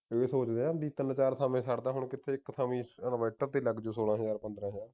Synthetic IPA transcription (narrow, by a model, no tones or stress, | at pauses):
eːsoːt͡ʃd̪eːãːbiːt̪ənt͡ʃaːɾt̪ʰaːmẽːsəɽd̪aːɦʊɳkɪt̪ʰːeːɪkːt̪ʰaːmĩːənʋɛːʈəɾt̪eːləɡd͡ʒoːsoːlãːɦəjaːɾpənd̪ɾãːɦəjaːɾ